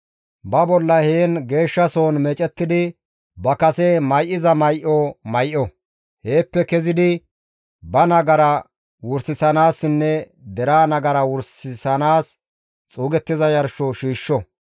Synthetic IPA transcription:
bɐbɔlːɐheːnɡe̞ːʃːɐsoːnmɛt͡ʃʼɛt̪ːɪd̪ɪ | bɐkɐsɛmɐjʔɪzɐmɐjʔɔmɐjʔɔ | he̞ːpːɛkɛzɪd̪ɪ | bɐnɐɡɐɾɐ | wʊɾsɪsɐnaːsːɪnːɛ | d̪ɛɾaːnɐɡɐɾɐwʊɾsɪsɐnaːs | t͡sʼuːɡɛt̪ːɪzɐjɐɾʃoʃiːʃːɔ

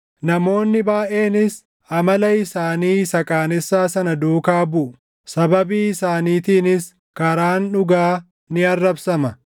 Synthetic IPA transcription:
nɐmo̞ːnːɪbaːʔe̞ːnɪs | ɐmɐlɐɪsaːniːsɐkʼaːnɪsːaːsɐnɐd̪uːkaːbʊʔʊ | sɐbɐbiːɪsaːniːt̪iːnɪs | kɐɾaːnᶑʊɡaː | nɪɐrːɐbsɐmɐ

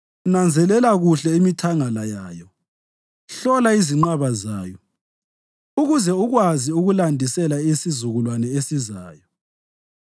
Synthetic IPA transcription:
nand͡zʱɛlɛlaɣuɬɛimitʰaŋalajaːjɔ | ɬɔlaiziŋ͡ǃaβazaːjɔ | uɣuzɛuɣwaziuɣulandʱisɛlaisizuɣulwanɛesizaːjɔ

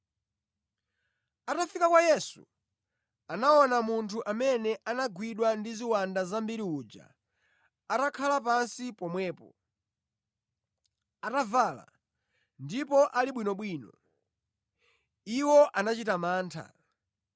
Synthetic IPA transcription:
atafikakwajɛsṵ | anaɔnamuntʰuʔamɛnɛʔanaɡwiɗwandiziwandazambiɾiuːd͡ʒa̰ | atakʰalapansipɔmwɛːpɔ | atavaːla̰ | ndipɔʔaliɓwinɔɓwiːnɔ̰ | iwɔʔanat͡ʃitamaːntʰa̰

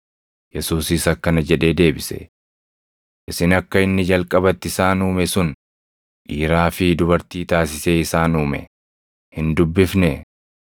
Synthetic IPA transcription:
jɛsuːsɪsɐkːɐnɐd͡ʒɛᶑe̞ːd̪e̞ːbɪsɛ̥̰ | ʔɪsɪnɐkːɐɪnːɪd͡ʒɐlkʼɐbɐt̪ːɪsaːnuːmɛsʊn | ᶑiːɾaːfɪd̪ʊbɐɾt̪iːt̪aːsɪse̞ːɪsaːnuːmɛ̰ | hɪnd̪ʊbːɪfnɛ

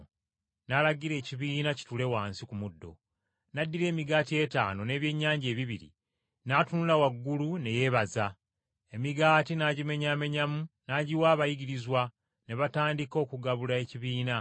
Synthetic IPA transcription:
nalaɡiɾe̞ːciβiːnaci̥tule̞waːnsikumudːo̞̰ | nadːiɾe̞ːmiɡaːtie̞ta̰ːno̞ne̞ːβje̞ɲːaːɲɟe̞ːβiβiɾḭ | natunulawaɡːulune̞je̞βaza | e̞miɡaːtinaɟime̞ɲaːme̞ɲamunaɟiwaːβajiɡiɾizwa | ne̞βataːndiko̞ːkuɡaβulae̞ciβiːna

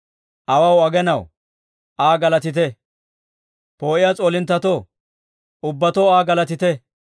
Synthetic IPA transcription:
ʔɐwɐwɐɡɛnɐw | ʔaːɡɐlɐt̪ɪt̪ɛ | po̞ːʔɪjɐt͡sʼoːlɪnt̪ːɐt̪o | ʊbːɐt̪ɔaːɡɐlɐt̪ɪt̪ɛ

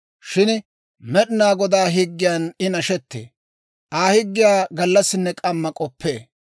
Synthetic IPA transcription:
ʃɪn | mɛɗɪnaːɡɔd̪aːɦɪɡːɪjaːnɪnɐʃɛt̪ːḛː | ʔaːhɪɡːɪjaːɡɐlːɐsɪnːɛkʼɐmːɐkʼɔpʰːeː

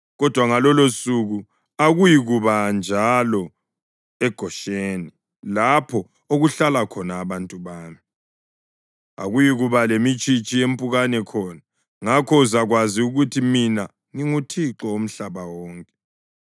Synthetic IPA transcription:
ɣɔd̥ʱwaŋalɔlosuɣu | aɣujiɣuβand͡ʒʱalɔ | ɛɡ̥ʱɔʃeːni | lapʰɔ | oɣuɬalakʰɔnaːβantʼuβaːmi | a̰ɣujiɣuβalemit͡ʃʼit͡ʃʼijempʼuɣanɛkʰɔːna | ŋakʰɔuzaɣwaziuɣutʰimina | ŋiŋutʰiǁɔom̩ɬaβawɔːŋkʼɛ

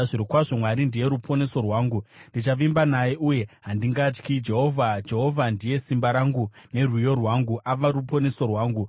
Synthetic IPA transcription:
ʐiɾikwaʐo̞mwaɾindije̞ɾupʰo̞ne̞so̞rwaːŋɡundit͡ʃaʋimbanajeʔuje̞ɦandiŋɡat͡ʃkid͡ʒe̞ɦovʱad͡ʒe̞ɦo̞vʱandije̞simbaɾaŋɡune̞rwijo̞rwaːŋɡuʔaʋaɾupo̞ne̞so̞rwaːŋɡu

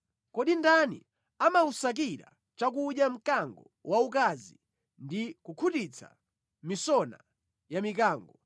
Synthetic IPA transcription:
kɔɗindanḭ | amausak̬iɾa̰ | t͡ʃakuɗjam̩kaŋɡɔ | waukazi | ndikukʰutit͡sʰa̰ | misɔna̰ | jamikaːŋɡɔ

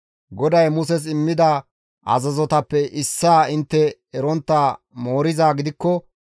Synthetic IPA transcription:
ɡɔd̪ɐjmʊs̬ɛs̬ɪmːɪd̪a | ʔɐ̰zɐzɔt̪ɐpːɛʔɪsːaːɪnt̪ːɛ | ɛɾɔnt̪ːaː | mo̞ːɾɪzaːɡɪd̪ɪkːɔ

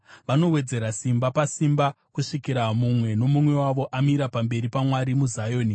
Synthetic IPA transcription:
ʋano̞we̞d͡ze̞ɾasimbapasimba | kuʂikiɾamumwe̞no̞mumwe̞waʋo̞ʔamiɾapambe̞ɾipamwaɾimuzajo̞ːni

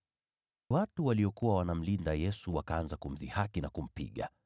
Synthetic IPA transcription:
watuwaliɔkuwawanam̩lindajɛsuwakaanzakum̩ðḭhakinakum̩pḭɠa̰

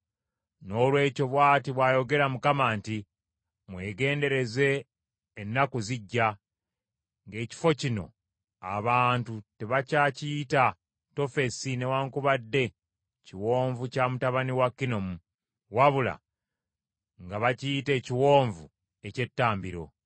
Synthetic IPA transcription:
no̞ːlwe̞ːco̞βwaːtiβwaːjo̞ɡe̞ɾamukamaːnti | mwe̞ːɡe̞ːnde̞ɾe̞ze̞ː | nːakuziɟːa | ŋɡe̞ːci̥fo̞cino̞̰ | a̰βaːntute̞βacaːciːta | to̞fe̞sine̞waːŋkuβadːe̞ | ciwo̞ːɱvucamutaβaniwakːino̞mu | waβula̰ | ŋɡaβaciːte̞ːciwo̞ːɱvu | e̞ce̞tːaːmbiɾo̞̰

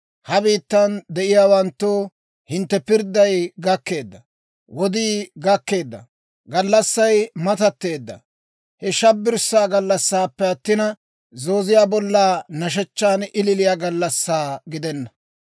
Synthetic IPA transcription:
hɐbiːt̪ːɐnd̪ɛʔɪjaːwɐnt̪ːoː | hɪnt̪ːɛpɪɾd̪ːɐjɡɐkːe̞ːd̪ːɐ | wɔd̪iːɡɐkːe̞ːd̪ːɐ̰ | ɡɐlːɐsːɐjmɐt̪ɐt̪ːe̞ːd̪ːɐ̰ | hɛʃɐbːɪɾsːaːɡɐlːɐsːaːpːɛɐt̪ːɪnɐ | zoːzɪjaːbɔlːaːnɐʃ̬ɛt͡ʃːaːnɪlɪlɪjaːɡɐlːɐsːaːɡɪd̪ɛnːɐ

